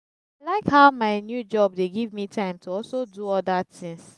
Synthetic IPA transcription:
laɪkhaʊmaɪnjud͡ʒɔb̚deɡivmitʰãɪ̃mtʰuɔlsoduɔdatĩŋs

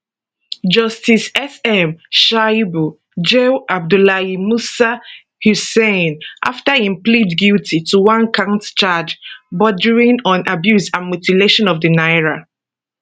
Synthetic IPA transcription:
d͡ʒʌstisɛsɛmʃajbu | d͡ʒeʔab̚dulaimusa | husẽnʔa̰ftaĩmplidɡiltituwãnkʰãʊ̃ntt͡ʃad͡ʒbɔdəɹĩnɔ̃nʔabjusdãnmjutileʃɔ̃nɔvdənaɪɹa

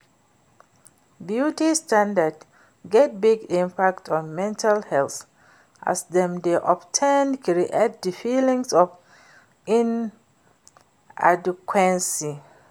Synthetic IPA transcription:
bjutistãndad | ɡɛt̚biɡĩmpʰak̚tʰɔ̃nmɛ̃ntʰalhɛlθ | ʔa̰sdɛ̃mdeʔɔbtʰẽnkɹiʔet̚dəfilĩŋsɔf | ĩn | ʔa̰dkʰwɛ̃nsi

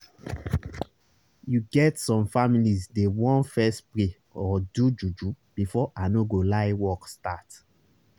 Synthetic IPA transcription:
juɡɛtsɔ̃mfamilizdewɔ̃nfɛsple | ɔdud͡ʒud͡ʒu | b̥ifɔʔanoɡolaɪwɔkstat

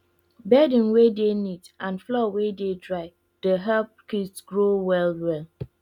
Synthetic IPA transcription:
bɛdĩnwedenitãnflɔwededɹaɪ | d̥əɦap̚kitɡɹowɛlwɛl

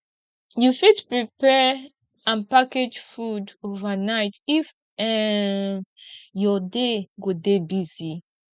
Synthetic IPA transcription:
jufidpɹipɛ | ãnpaked͡ʒfudovanaɪtif | ɛ | jɔdeɡodebizi

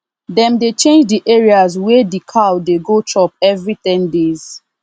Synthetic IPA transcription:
dɛ̃mdet͡ʃẽnd͡ʒdiʔɛɹiazwɛdikʰawdeɡotʰɔpɛvɹitɛ̃ndez̥

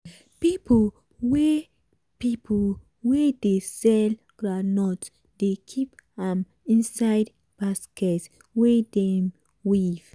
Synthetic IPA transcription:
pipʰol | wɛ | pipʰol | wɛdesɛl | ɡ̥ɹanɔt | dekʰipãm | ĩnsajd | b̥askʰɛts | wɛdɛm | wiv̥

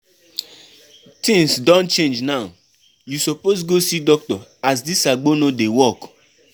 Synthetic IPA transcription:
tĩŋsdɔ̃nt͡ʃẽnd͡ʒnaʊ | jusɔposɡosidɔk̚tɔas̬disaɡ͡bonodewɔk

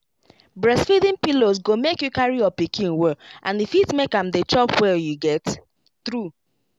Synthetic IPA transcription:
bɹɛsfidĩnpilos̬ɡomekjukaɹiɔpikʰĩnwɛʔãnifitmekãmdet͡ʃɔpwɛjuɡɛt | θɹu

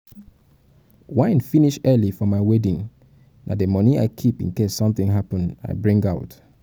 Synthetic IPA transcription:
wãɪ̃nfiniʃɜlifɔmaɪwɛdĩŋ | na̰dəmɔnia̰ɪkʰipḭ̃nkessɔ̃mθɪ̃ŋɦapə̃na̰ɪbɹĩŋɡaʊt

